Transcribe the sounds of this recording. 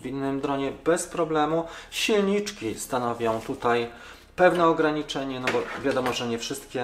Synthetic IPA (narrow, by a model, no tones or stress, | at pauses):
vʲinːɘmd̪ɾɔɲɛbɛspɾɔblɛmuɕilɲit͡ʂkʲist̪anɔvʲjɔ̃w̃t̪ut̪aj | pɛvnɛɔɡɾaɲit͡ʂɛɲɛnɔbɔvʲjad̪ɔmɔʐɛɲɛfʂɘst̪kʲɛ